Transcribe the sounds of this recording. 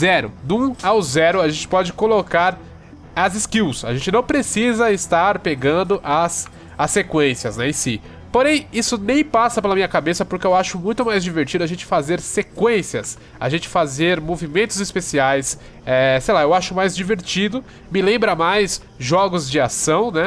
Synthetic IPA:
zɛɾʊ̰d̪ũawzɛɾʊaʒẽnt͡ʃɪ̥pɔd͡ʒɪkolokaɾ | ɐzɪskiwsa̰ʒẽnt͡ʃɪnɐ̃w̃pɾesizɐɪst̪aɾpeɡɐ̃nd̪ʊʔɐs | ɐsːekwẽsiɐsnɛẽsi | poɾẽj̃isʊnẽj̃pasɐpelɐmĩɲ̃ɐkabesɐpoʊɾkɪeewaʃʊmũj̃t̪ʊmajzd͡ʒiveɾt͡ʃid̪ʊaʒẽnt͡ʃɪ̥fazeɾsekwẽsiɐs | a̰ʒẽnt͡ʃɪ̥fazeɾmovimẽnt̪ʊzispesiajs | ɛsejlaewaʃʊmajzd͡ʒiveɾt͡ʃid̪ʊ | mɪlẽmbɾɐmajs | ʒɔɡʊzd͡ʒɪasɐ̃w̃nɛ

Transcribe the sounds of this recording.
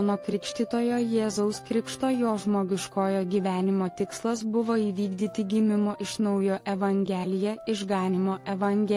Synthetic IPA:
noːkɾʲɪkʃʲt̪ʲiːt̪oːjoːjeːzɐʊskɾʲɪkʃt̪oːjoːʒmoːɡʲɪʃkoːjoːɡʲiːʋʲæːnʲɪmoːt̪ʲɪkslˠɐsbʊʋoːiːʋʲiːɡd̪ʲiːt̪ʲɪɡʲɪmʲɪmoːʔɪʃnɐʊjoːʔɛʋɐŋʲɡʲɛːlʲɪjɛɪʒɡɑːnʲɪmoːʔɛʋɐŋʲɡʲɛ

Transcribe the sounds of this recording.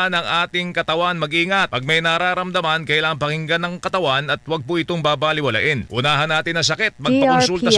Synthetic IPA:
nɐŋʔaːt̪ɪŋkɐt̪ɐwanmɐɡʔiːŋat̪̚pɐɡ̚mɐjnɐɾaːɾɐmd̪ɐmankɐʔɪlaːʔɐnpɐŋɪŋɡɐnɐŋkɐt̪ɐwanɐt̪̚wɐɡ̚poʔɪt̪oŋbaːbaːlɪwɐlɐ̰ʔɪnʔʊnaːɦɐnːaːt̪ɪnːɐs̬ɐkɛt̪̚mɐɡ̚pɐkonsult̪ɐ

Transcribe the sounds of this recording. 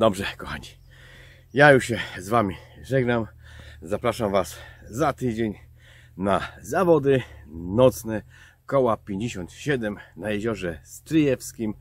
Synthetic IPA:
d̪ɔbʐɛkɔxa̰ɲi | jajuʂɕɛzvamʲiʐɛɡnamzapɾaʂamvaszat̪ɘd͡ʑeɲ | nazavɔd̪ɘnɔt̪snɛ | kɔwapʲjeɲd͡ʑeɕɔnt̪ɕɛd̪ɛmnajɛʑɔʐɛst̪ɾɘjɛfskʲim

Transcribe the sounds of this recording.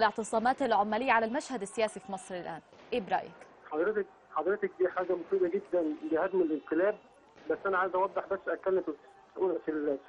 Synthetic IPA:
leʕt̪ɨsˤɑːmɑːt̪elʕomːælɪjːaʕalælmæʃhæd̪æsːejæːsifiːmɑsˤɾɪlʔæːnʔeːbɾˤɑ̰ːʔjæ̰k | ħɑd̪ˤɾet̪ek̚ | ħɑd̪ˤɾet̪ek̚d̪iːħaːɡæmosˤiːb̪ɑɡed̪ːænbehæd̪melʔɪnq̪elæːb̚ | bæsːʔænæʕaːjzʔæwɑd̪ˤːeħbæsːʔækːælːem | ʔulʔæfil

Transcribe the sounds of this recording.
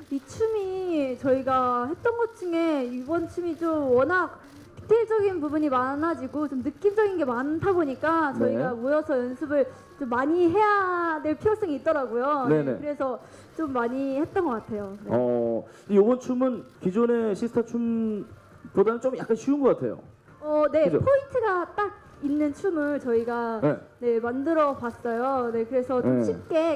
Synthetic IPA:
it͡ɕʰumit͡ɕʌiɡahe̞t̚t͈ʌnɡʌt̚t͡ɕ͈uŋe̞ibʌnt͡ɕʰumit͡ɕomwʌnak̚ | i̥tʰed͡ʑʌɡinpubuɲimanad͡ʑiɡot͡ɕomnɯk͈imd͡ʑʌɡinɡe̞mantʰaboɲik͈at͡ɕʌiɡamojʌsʰʌjʌnsʰɯbɯɭ | t͡ɕomːaɲiɦe̞jadwe̞ɭpʰijos͈ʰʌŋiːt̚t͈ʌɾaɡujonenekɯɾe̞sʰʌ | t͡ɕ͈omːaɲihe̞t̚t͈ʌnɡʌk͈atʰe̞joneʌ̰ | dejobʌnt͡ɕʰumɯnkid͡ʑone̞ɕʰisʰtʰat͡ɕʰum | podanɯnt͡ɕomjak͈anɕʰuunɡʌk͈atʰe̞̰jo̰ | ʌne̞opʰointʰɯɡat͈aɡ̚ | inːɯnt͡ɕʰumɯɭt͡ɕʌiɡanene̞mandɯɾʌpas͈ʌjone̞kɯɾe̞sʰʌomɕʰip̚k͈e̞

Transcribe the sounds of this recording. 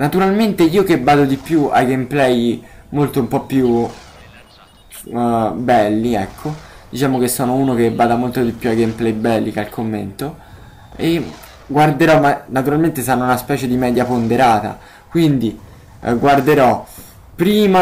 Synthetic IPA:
nat̪uɾalment̪eiːokebːaːd̪od̪ipjua̰ɡemplɛjmolt̪oumpɔpːju | bɛlːiɛkʰːod̪̥it͡ʃaːmok̟esːɔːnouːnok̟ebːaːd̪amolt̪od̪ipjuaɡemplɛjbɛlːikalkʰomːḛnt̪o | e | ɡward̪eɾɔmanat̪uɾalment̪es̬anːounaspɛːt͡ʃed̪imɛːd̪japond̪eɾaːt̪a̰ | kwind̪i | ɡward̪eɾɔ | pːɾiːma

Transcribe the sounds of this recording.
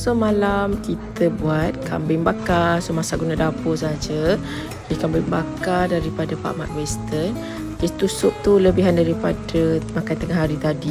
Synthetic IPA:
somalamkit̪əbuat̪̚kʰambɪŋbakarsomasaɡunadapos̬ad͡ʒə | kikambɪŋbakardaɾipadəpa̰ʔma̰t̪̚wɛst̪ən | kɛst̪usʊp̚t̪uləbiɦandaɾipadəmakant̪əŋaɦaɾit̪adi

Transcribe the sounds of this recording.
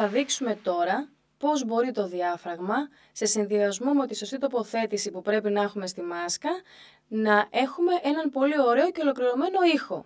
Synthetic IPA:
ɐðiksume̞t̪o̞ɾɐ | po̞zbo̞ɾit̪o̞ðiɐfɾɐɣmɐ | se̞sinðiɐzmumeo̞t̪iso̞st̪it̪o̞po̞θe̞t̪isipupɾe̞pinɐexume̞st̪imɐskɐ | nɐʔe̞xume̞ʔe̞nɐnpo̞lio̞ɾe̞o̞ce̞olo̞kɾiɾo̞me̞no̞ixo̞̰

